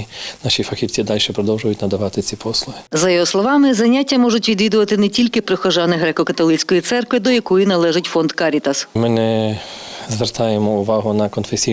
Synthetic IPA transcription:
naʃʲifɐxʲiwt͡sʲid̪alʲʃɛpɾɔd̪ɔwʒʊjʊtʲnɐd̪ɐʋɑt̪ɪt͡sʲipʰɔslˠʊɦɪzɐjɔɦɔslˠɔʋɑmɪzɐnʲatʲːɐmɔʒʊtʲʋʲid̪ʋʲid̪ʊʋɐt̪ɪnɛtʲilʲkɪpɾɪxɔʒɑnɪɦɾɛkɔkɐt̪ɔlˠɪt͡sʲkɔjit̪sɛrkʋɪd̪ɔjɐkɔjinɐlˠɛʒɪtʲfɔnd̪kɑɾʲit̪ɐsmɪnɛ | zʋɛrt̪ɑjemɔʊʋɑɦʊnɐkɔnfesʲi

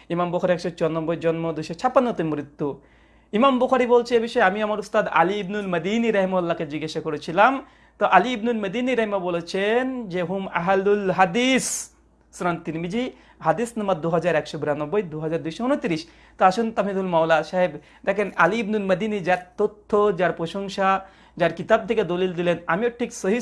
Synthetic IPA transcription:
imambukʰaɾiɛkʃɔt͡ʃɔɾnɔbːojd͡ʑɔnmod̪ujʃɔt͡ɕʰapːanːot̪emɾit̪ːu | imambukʰaɾibolt͡ɕʰeebiʃɔeamiamaɾust̪ad̪a̰liibnulmɐd̪iːniɾɐɦimaalːaked͡ʑiɡaʃakoɾet͡ɕʰilam | t̪oʔaliːbnulmɐd̪iːniɾɐɦimabolet͡ɕʰend͡ʑeɦuma̰ɦlulɦad̪isː | uɾant̪inmid͡ʑi | ɦad̪isnamaɾd̪uɦad͡ʑaɾɛkʃobiɾanɔbːojd̪uɦad͡ʑaɾd̪ujʃounot̪iɾiʃ | t̪oaʃunt̪amid̪ʱulmawlaʃaɦeb | d̪ɛkʰenaliibnulmɐd̪inid͡ʑaɾt̪ot̪ʰːod͡ʑaɾpɾoʃoŋʃa | d͡ʑaɾkit̪ab̚t̪ʰeked̪olild̪ilena̰mioʈʰiksoɦi

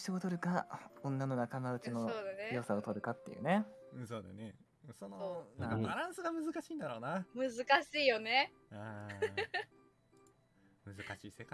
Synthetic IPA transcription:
ɕiot̪o̞ɾɯ̟kaõ̞nːano̞nakamaɯ̟t͡ɕino̞soːd̪anejo̞saot̪o̞ɾɯ̟kat̪ːejɯ̰neɯ̃so̞ːd̪a̰ne | sononãkbaɾãɰ̃sɨɡamɯ̟zɨkaɕiːnd̪aɾo̞ːnamɯ̟zɨkaɕiːjo̞ne | a | mɯ̟zɨkaɕiːseka

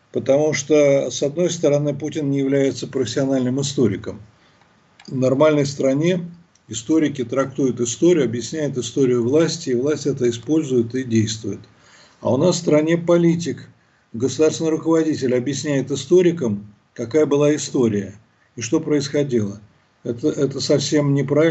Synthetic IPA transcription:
pət̪ɐmuʂt̪osɐd̪no̞jst̪əɾɐnɨputʲɪnnʲɪjɪvlʲæjɪt̪səpɾəfʲɪsʲɪɐnalʲnɨmɪst̪o̞ɾʲɪ̰kəm | vnɐrmalʲnəjst̪ɾɐnʲe̞ | ɪst̪o̞ɾʲɪkʲɪt̪ɾɐkt̪ujʊt̪ɨst̪o̞ɾʲɪjʊɐbjɪsʲnʲæjʊt̪ɪst̪o̞ɾʲɪjʊvlˠasʲtʲɪːvlˠasʲtʲɛt̪əɪspo̞lʲzʊjʊt̪ɪdʲejst̪vʊjʊt̪ | a̰ʊnasfst̪ɾɐnʲe̞pɐlʲitʲɪk | ɡəsʊd̪arsvʲnɨɪɾʊkəvɐdʲitʲɪlʲɐbjɪsʲnʲæjɪt̪ɪst̪o̞ɾʲɪkəm | kɐkajəbɨlˠaɪst̪o̞ɾʲɪjə | ɪʂt̪o̞pɾəɪsxɐdʲilˠə | ɛt̪əʔɛt̪əsɐfsʲe̞mnʲɪpɾaɪ

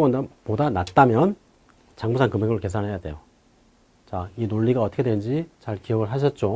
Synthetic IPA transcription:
wʌndpodanat̚t͈amjʌn | t͡ɕaŋmusʰankɯmeŋɯɭke̞s̬ʰanɦe̞jade̞̰jo | t͡ɕainoʎːiɡaʌt͈ʰʌkʰedwend͡ʑit͡ɕaɭkijʌɡɯɭɦaɕ̬ʰʌt̚t͡ɕ͈o

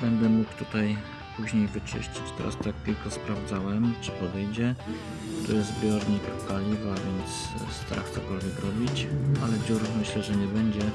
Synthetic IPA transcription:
b̥ɛnd̪ɛmukt̪ut̪aj | puʑɲejvɘt͡ʂɘ̰ʂt͡ɕi̥t͡ɕt̪ɛ̰ɾa̰st̪ak̚pʲilkɔspɾavd̪zawɛmt͡ʂɘ̥pɔd̪ɛjd͡ʑɛ | t̪ɔjɛzzbʲjɔɾɲikpalʲivavʲjɛnt̪sst̪aɾa̰xt̪sɔkɔlvʲjɛkɾɔbʲit͡ɕalɛd͡ʑuɾmɘɕlɛʐɛɲɛbɛɲd͡ʑɛ

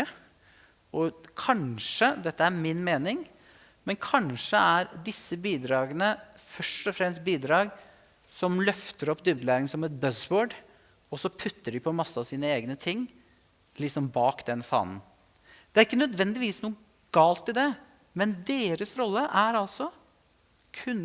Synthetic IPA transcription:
ə | ɔkʰɑnʂəd̪ɛt̪ːəæɾmɪnmeːnɪŋ | mɛnkʰɑnʂəʔæɾd̪ɪsːəbiːd̪ɾɑːɡənə | fœʂʈɔfɾɛmst̪̚biːd̪ɾɑːɡ | sɔmlœft̪əɾɔpːd̪ʉblæːɾɪŋsɔmɛt̪̚bœsboːɖ | ɔsɔpʰʉt̪ːəɖɪpʰɔmɑsːəɑsiːnəeːɡnət̪ʰɪŋː | lɪksɔmbɑːkd̪ɛnfɑ̰ːnn̩ | d̪̥ɛæɾɪkːənœd̪ʋɛnd̪ɪʋiːsnuːə | ɡ̥ɑːlt̪ɪld̪ɛ | mɛnd̪eːɾəsɾɔlːəʔæɾɑlsɔ | kʰʉnː

